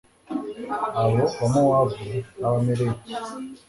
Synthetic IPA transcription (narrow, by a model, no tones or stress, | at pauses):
aβoβamawavuaβameɾeɟi